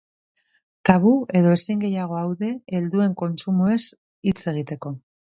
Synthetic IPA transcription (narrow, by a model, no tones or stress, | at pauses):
t̪aβue̞ðo̞e̞siŋɡe̞jaɣ̞o̞awðe̞ːld̪ue̞ŋko̞nt͡sumue̞s | it͡se̞ɣit̪e̞ko̞